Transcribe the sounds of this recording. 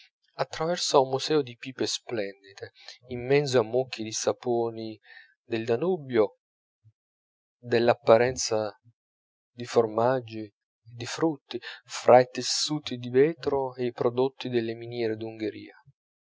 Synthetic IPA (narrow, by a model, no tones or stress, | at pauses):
at̪ːɾavɛrsaumːusɛːod̪ipiːpesplɛnd̪it̪e | imːɛnt̪z̬oamːokːid̪isapoːni | d̪eld̪anubjo | d̪elːapːaɾɛnt̪sa | d̪iformad͡ʒːi | ed̪ifɾut̪ːifɾʔait̪esːuːt̪id̪ivɛːt̪ɾoeipɾod̪ot̪ːid̪elːeminjɛːɾed̪uŋɡeɾḭːa